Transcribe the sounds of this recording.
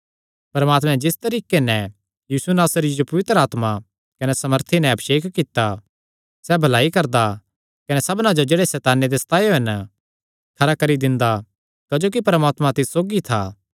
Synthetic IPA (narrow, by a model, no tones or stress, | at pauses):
pɐɾmaːt̪mɛ̃d͡ʒɪst̪ɐɾiːkenɛ̃ | jiːsunaːsɾiid͡ʒopɐʋɪt̪ɾəaːt̪ma | kɐnɛsɐməɾt̪ʰinɛ̃ɐbʃeːkʰkɪt̪ːa | sɛbʱɐlaːikɐɾd̪a | kɐnɛsɐbnãd͡ʒod͡ʒeːɽesɛːt̪aːned̪esɐ̥t̪ʰaːjoɦɛn | kʰɐɾakɐɾid̪ɪ̃nd̪a | kad͡ʒoːkipɐɾmaːt̪mãt̪ɪssoːɡit̪ʰa̰ː